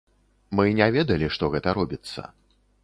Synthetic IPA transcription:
mɨnʲɛvʲɛd̪ɐlʲiʂt̪ɔɣɛt̪ɐɾɔbʲit̪sːɐ̰

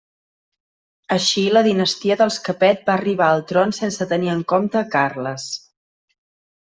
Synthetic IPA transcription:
əʃiləðinəst̪iəðəlˠskəpɛt̪̚baːriβ̞aəlˠt̪ɾonsensət̪əniəŋkomt̪əkarləs

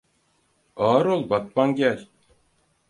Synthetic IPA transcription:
ɑːɾolˠbɑt̪̚pɑŋɡʲælʲ

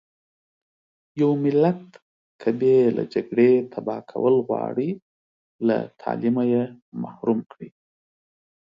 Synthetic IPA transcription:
jawmɪlat̪ | kʰəbela̰d͡ʒaɡɽet̪ʰabɑkʰa̰wəlɣwɑ̰ɽi | la̰t̪ʰɑ̰limaje | mahɾumkɽi

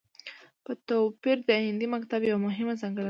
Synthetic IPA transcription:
pət̪opiɾd̪əaɪnd̪imakt̪abjawamʊɦɪmazɑŋɡəɽ

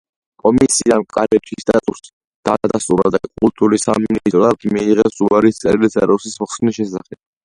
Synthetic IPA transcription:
kʼɔmisiankʼaɾɛt̪ʰist̪ʼat̪ʼus | d̪̥ad̪ast̪ʼuɾa̰d̪akʼult̪ʼuɾisamnist̪ʼɾɔat̪miːʁɛsuaɾist̪sʼɛ̰ɾlizɛɾɔsismɔχsniʃɛsaχɛb̥̚

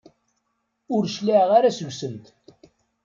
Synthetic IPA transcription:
ʊɾʃliʁaɾasəʝʷsənt̪

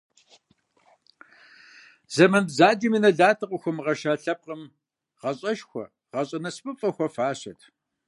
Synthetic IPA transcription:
zɐmɐnbzaːd͡ʒɐminɐɮaːtʰɨqʷʊxʷʊmʁɐʃaːɬɐp̚qʼəm | ʁɐɕʼɐʃxʷɔ̰ | ʁɐɕʼɐnɐspʼɨfʼɐxʷɔfaːɕɐtʰ

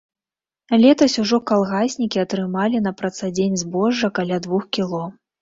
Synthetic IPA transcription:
lʲɛt̪ɐsʲuʐɔkalˠɣasʲnʲikʲiɐt̪ɾɨmalʲinɐpɾɐt̪sad͡zʲenʲzbɔʐːɐkalʲad̪vuxkʲilˠɔ

